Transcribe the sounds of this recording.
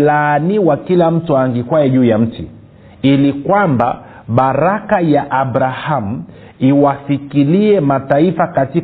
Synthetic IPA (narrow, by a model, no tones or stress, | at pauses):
laniwakilam̩tuaŋɡikwajɛʄuːjam̩tḭ | ilikwamba̰ | ɓaɾakajaʔaɓɾaham̩ | iwafikiliɛmataifakati